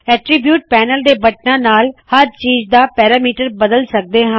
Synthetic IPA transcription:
ɛːʈɾibjuːʈ̚pɛːnəld̪eːbəʈ̚nãːnaːlhəɾt͡ʃiːd͡ʒd̪aːpɛːɾaːmiːʈəɾbəd̪əlsək̚d̪eːɦə̃

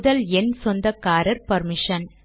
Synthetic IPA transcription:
ðɐlɛnsɔnd̪ɐkːaːɾɐɾpɐɾmɪʂɐn

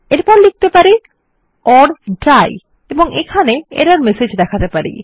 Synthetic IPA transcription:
eɾpɔɾlik̚t̪epaɾi | ɔɾɖaj | eboŋekʰaneḛɾaɾmesed͡ʑd̪ɛkʰat̪epaɾḭ

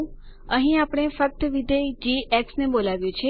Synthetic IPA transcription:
əɦĩapɽ̃efək̚t̪əʋid̪ed͡ʒiʔeksnebolaʋjũt͡ʃʰe

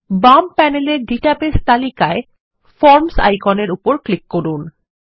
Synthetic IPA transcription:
bampɛneleɾɖiʈapest̪alikae | fɔɾmsa̰jkɔneɾupoɾklikːoɾun

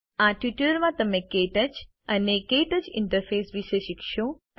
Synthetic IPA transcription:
ãʈiʈəɾmãt̪əmẽkeʈət͡ʃ | ənekeʈət͡ʃɪ̰ɳʈəɾfʰeːsʋiʃeʃikʃo

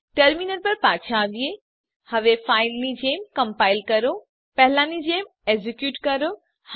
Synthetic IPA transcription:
ʈɐɾmiːnəɾpɐɾpaːt͡ʃʰaʋie | hɐʋefaːɪlnid͡ʑeːmkɐ̃mpaːɪlkɐɾo | pɐɦɪlãːnid͡ʑeːm | ezɪkjuːʈkɐɾo

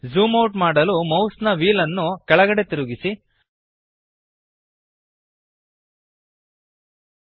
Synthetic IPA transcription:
zuːmɐwʈmaːɽɐlumɐwsnɐʋiːlɐnːukɛɭɐɡɐɽe̞t̪iɾuɡisi

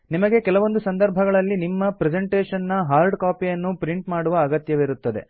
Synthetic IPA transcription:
nimɐɡe̞kɛlɐʋo̞nd̪usɐnd̪ɐɾbʱɐɡɐɭɐlːinimːɐpɾɛd͡ʒeɳʈeːʂɐnːɐɦaːɾɖkaːpijɐnːupɾiɳʈmaːɽuʋɐːɡɐt̪jɐʋiɾut̪ːɐd̪ḛ

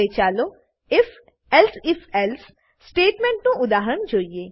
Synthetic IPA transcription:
eːt͡ʃaːlo | ɪf | ɛlsɪfɛls | sʈeːʈmẽɳʈnũʊd̪aːɦɾəɳd͡ʒoːieː

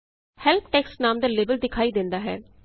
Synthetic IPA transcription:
hɛːlp̚ʰʈɛːksnaːmd̪aːleːbəld̪ɪkʰaːiːd̪ɪ̃nd̪aːɦɛ̰ː

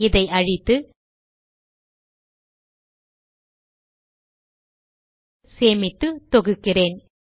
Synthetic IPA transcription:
ɪðɐɪɐɻɪt̪ːɯ | seːmɪt̪ːɯt̪ɔɣɯkːɪreːn

